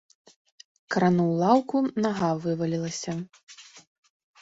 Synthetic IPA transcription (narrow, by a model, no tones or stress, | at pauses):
kɾanuwlˠawkunaɣavɨvɐlʲilˠɐsʲɐ